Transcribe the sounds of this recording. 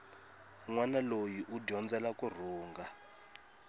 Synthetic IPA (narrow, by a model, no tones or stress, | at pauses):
ŋwanalojiʔuɟɔnd͡zɛlakʼur̤uːŋɡa